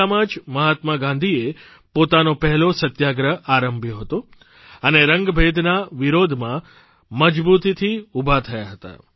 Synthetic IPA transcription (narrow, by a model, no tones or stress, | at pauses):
amad͡ʒməɦat̪məɡãnd̪ʱie | pot̪anopɛɦɛlosət̪jaɡɾəaɾəmbʱjoɦət̪o | əneɾəŋɡbʱed̪ʱnaʋiɾod̪ʱmã | məd͡ʒbut̪it̪ʰiubʱat̪ʰəjaɦət̪a̰